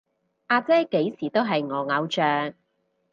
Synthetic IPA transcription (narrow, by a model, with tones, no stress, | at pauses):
ʔaː˧t͡sɛː˥ke˨˥jsiː˨˩t̪o˥wɦɐ˨jŋɔː˨˧ŋɐ˨˧wt͡ʃœː˨ŋ